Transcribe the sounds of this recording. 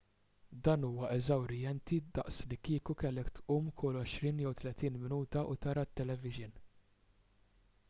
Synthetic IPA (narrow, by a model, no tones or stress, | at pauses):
d̪ɐːnuːwɐʔɛzɐwɾɪjɛnt̪id̪ɐ̰ʔslikiːkukɛlːɛkt̪uːmkʰʊlɔʃɾiːnjɛwt̪lɛt̪iːnmɪnuːt̪ɐʔut̪ɐɾɐt̪ːɛlɛvɪʒɪn